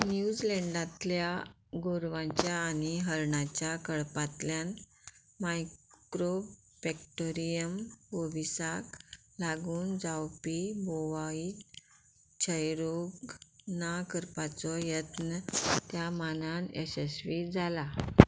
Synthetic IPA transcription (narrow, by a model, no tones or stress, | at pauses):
njud͡ʑlɛ̃ɳɖãt̪lja | ɡoɾʋãɲt͡ɕjaːniɦəɾɳat͡ɕjakəɭpat̪ljan | majkɾo | fɛkʈoɾijəməʋisak | laɡuːnd͡zawpiboʋai | t͡ɕʰəjɾoɡnakəɾpat͡sɔjət̪nət̪jamananesesʋid͡zʱala